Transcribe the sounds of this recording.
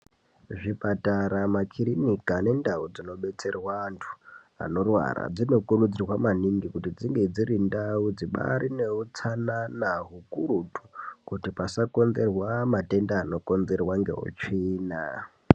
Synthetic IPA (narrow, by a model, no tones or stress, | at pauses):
ʐipataɾamakʰirinikane̞ndaud͡zino̞ɓe̞t͡se̞rwaːntʰu̥ | a̰no̞rwa̰ra̰d͡zino̞kurud͡zirwamaniŋɡikutid͡ziŋɡe̞d͡zirindaud͡ziɓa̰ɾine̞ut͡sananaɦukurutu̥kutipasako̞nze̞rwamate̞ndaːno̞ko̞nze̞rwaŋɡe̞̰ɦo̰t͡ʃiːna